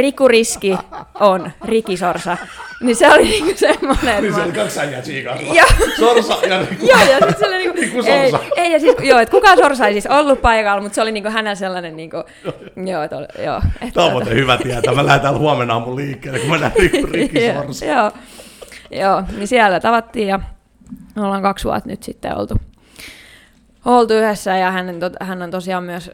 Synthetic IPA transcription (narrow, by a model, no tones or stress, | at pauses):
rikːuriskiʔonrikːisorsɑniseoliniːŋkusemːoneisolikɑksæjːæt̪siːkɑsljoːsorsɑjɑrikːjoːjɑsit̪selːɑnniːkukːusorisɑeijɑsisjoːet̪kukɑsorsɑeisisolːuppɑikɑlmut̪seoliniːŋkohænæselːɑnenniːŋku | joːet̪o̰ljo̰ːḛt̪ɑoehyʋæt̪iæt̪æmælæhet̪ælhuɑmenɑːmmulliːkːeːlːekkumænænirikːisorsjoː | joːnisiælːæt̪ɑʋɑt̪ːiːjɑ | olːhɑŋkɑksʋṵɑ̰t̪ny̰t̪sit̪ːḛo̰lt̪u | olt̪uyhesːæjɑhænːent̪ot̪hænːont̪osiɑːmmyæs